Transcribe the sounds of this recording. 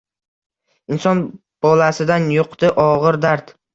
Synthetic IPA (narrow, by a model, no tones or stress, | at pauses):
ɪnsɒn | b̥ɒlasɪd̪anjoqt̪ɪʔɒʁɨɾd̪aɾt̪